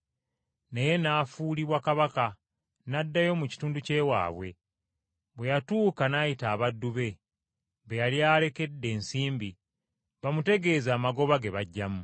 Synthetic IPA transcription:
neje̞naːfuːliβwakaβaka | nadːajo̞muci̥tuːnduce̞ːwa̰ːβwe̞ | βwe̞jatuːkanaːjitaːβadːuβe̞ | βejaljaːle̞ke̞dːe̞ːnsiːmbi | βamute̞ɡe̞ːzaːmaɡo̞βaɡe̞βaɟːamu

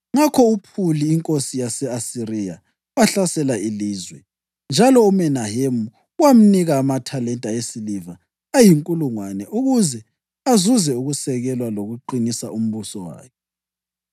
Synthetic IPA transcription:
ŋakʰɔupʰuliːŋkʼosijasɛasirija̰ | waɬasɛlailiːzwɛ | nd͡ʒʱalɔumɛnahemu | wam̩niɣaːmatʰalɛntʼaesiliva | ajiŋkʼuluŋwanɛʔuɣuzɛ | azuzɛuɣusɛɣɛlwaloɣuǃinisaum̩βusɔwa̰ːjɔ

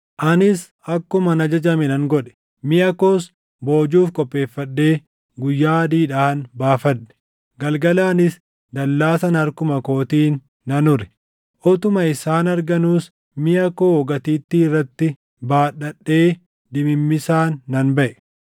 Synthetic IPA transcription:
ʔɐnɪs | ɐkːʊmɐnɐd͡ʒɐd͡ʒɐmɛnɐŋɡɔᶑɛ̥ | mɪɐkoːs | bo̞ːd͡ʒuːfkʼɔpːe̞ːfːɐɗːe̞ː | ɡʊjːaːd̪iːᶑaːhɐnbaːfɐnːɛ̥ | ɡɐlɡɐlaːnɪs | d̪ɐlːaːsɐnɐɾkʊmɐko̞ːt̪iːnː | ɐnʊɾɛ̥ | ʔɔt̪ʊmɐɪsaːnɐɾɡɐnuːs | mɪɐkoːɔɡɐt̪iːt̪ːiːɪrːɐt̪ːɪ | baːᶑɐɗːe̞ː | d̪ɪmɪmːɪsaːnːɐnbɐʔɛ̥

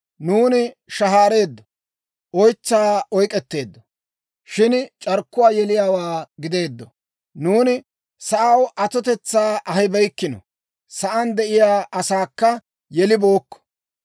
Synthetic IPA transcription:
nuːnɪʃɐɦaːɾe̞ːd̪ːɔ | ʔɔjt͡sːaːɔjkʼɛt̪ːe̞ːd̪ːɔ | ʃɪnt͡ʃʼɐɾkːʊwaːjɛlɪjaːwaːɡɪd̪e̞ːd̪ːɔ | nuːnɪ | sɐʔɐwʔɐt̪ɔt̪ɛt͡sːaːʔɐɦɪbɛjkːɪnɔ̰ | sɐʔɐnd̪ɛʔɪjaːʔɐsaːkːɐ | jɛlɪbo̞ːkːɔ̥

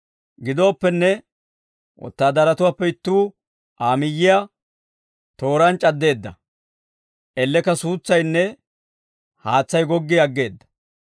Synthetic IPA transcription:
ɡɪd̪o̞ːpːɛnːɛ | wʔɔ̰t̪ːaːd̪ɐɾɐt̪ʊwaːpːɛɪt̪ːuː | ʔaːmɪjːɪja | t̪o̞ːɾɐnt͡ʃʼɐd̪ːe̞ːd̪ːɐ | ʔɛlːɛkɐsuːt͡sːɐjnːɛ | haːt͡sːɐjɡɔɡːɪɐɡːe̞ːd̪ːɐ̥

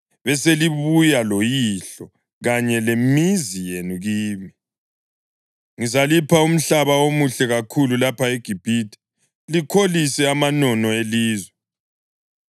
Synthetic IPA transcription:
βɛseliβujalojiɬɔ | ɣaɲɛlemizijenuɣiːmi | ŋizalipʰaum̩ɬaβawomuɬɛɣakʰululapʰaeɡ̥ʱib̥ʱitʰʼi̥ | likʰolisɛamanɔnɔeliːzwɛ

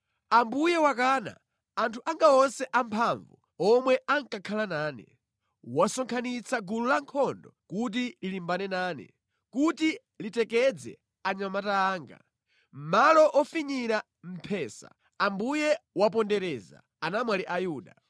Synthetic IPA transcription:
ambujɛwakaːna̰ | antʰuʔaŋɡaɔnsɛʔampʰaɱvu | ɔmwɛʔaŋkakʰalanaːnɛ̰ | wasɔŋkʰanit͡sʰaɡululaŋkʰɔndɔkut̬ililimbanɛnaːnɛ̰ | kuti | litɛkɛd͡zɛ̰ | aɲamataːŋɡa̰ | m̩malɔʔɔfiɲiɾa | m̩pʰɛːsa̰ | ambujɛwap̬ɔndɛɾɛːza̰ | anamwaliʔajuːɗa̰

